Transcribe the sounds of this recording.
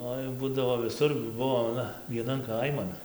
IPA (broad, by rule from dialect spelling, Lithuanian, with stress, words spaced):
ˈoːɪ ˈbuːdɐʋoː ʋʲɪˈsʊr juː ˈbʊʋoː ɐˈnɐ ʋʲiɛˈnɐn ˈkɐɪmɐn